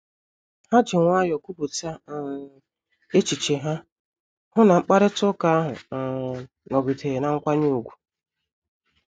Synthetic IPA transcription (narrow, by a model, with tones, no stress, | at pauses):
ha˦d͡ʒɪ˨ŋʷa˦jɔ˨ku˦bu˨ta˦˨ | e˦t͡ʃi˨t͡ʃe˨ɦa˦ | hʊ˦na˨ŋ͡m̩˦k͡pa˦ɾɪ˦tʊ˦ka˦a˦ɦʊ̰˨ | nɔ˨ɡi˨tʰe˨na˨˦ŋ̩˦kʷa˦ɲu˦u˨ɡʷu̥˨